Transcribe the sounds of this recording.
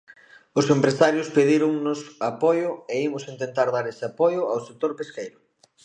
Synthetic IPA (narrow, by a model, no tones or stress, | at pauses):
ʊsempɾesaɾjʊspeðiɾʊŋnʊsapɔjʊeimʊsint̪ent̪aɾð̞aɾesapɔjʊawsek̚t̪oɾpeskejɾʊ